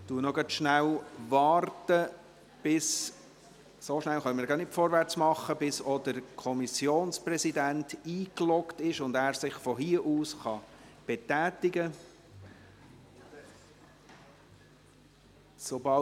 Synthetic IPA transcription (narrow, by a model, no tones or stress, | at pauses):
tuːənɔɡɑtʃnæwʋɑːrtə | b̥ɪs | soʃnælχœnməɾɡɑnɪtfɔːɾʋæɾt͡smɑχəbɪsɔd̥əɾkʰɔmisjoːnsprɛsidæntiːklɔktɪʃʊndæːɾsɪχfɔɦiːəʔuːsχɑb̥ɛtæːtiɡə | sobɑ